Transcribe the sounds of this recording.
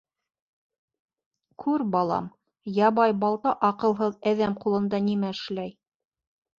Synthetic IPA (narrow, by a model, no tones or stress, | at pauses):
kʰʉɾbɑlˠɑ̰m | jɑβɑjbɑlˠt̪ɑʔɑqɤ̆lˠɦɤðæðæmqulˠɤ̆nd̪ɑnimæɘ̆ʃlæj